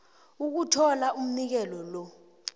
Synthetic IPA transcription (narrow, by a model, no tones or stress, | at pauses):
uk̬utʰɔlaum̩nik̬ɛlɔlɔ